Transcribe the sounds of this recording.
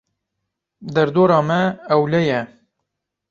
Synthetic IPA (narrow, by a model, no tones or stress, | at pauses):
d̪ɛɾd̪oːɾɑːmɛːwlɛjɛ